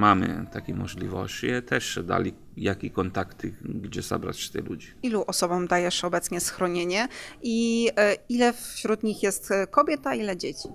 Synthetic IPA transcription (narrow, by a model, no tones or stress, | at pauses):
mamɘ̰t̪akʲimɔʐlʲivɔ̰ɕt͡ɕiɛt̪ʰɛʂɛd̪a̰lʲi | jakʲikɔnt̪akt̪ɘɡd͡ʑɛza̰bɾa̰t͡ɕːɛ̥t̪ɛ̰lud͡ʑiiluʔɔsɔbɔmd̪ajɛʂɔbɛt̪sɲɛsxɾɔɲeɲɛʔi | ilɛfɕɾud̪ɲixjɛst̪kɔbʲjɛt̪ailɛd͡ʑet͡ɕi̥